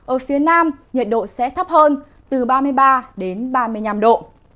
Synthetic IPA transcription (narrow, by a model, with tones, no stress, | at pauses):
ʔəː˧˩fi˨˦ənaː˧mɲi˨˩t̚ɗo̰˧˨sɛ̰˧˥t̪ʰə˦˥p̚həː˧n | t̪ɨ˨˩ɓaː˧mɨ˧əjɓaː˧ɗe˨˦nɓaː˧mɨ˧əjɲa˧mɗo̰˧˨